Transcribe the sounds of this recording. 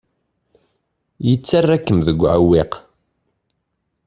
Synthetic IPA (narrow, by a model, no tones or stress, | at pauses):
jət͡sːarːækːəmðəɡʷːʕa̰wːiq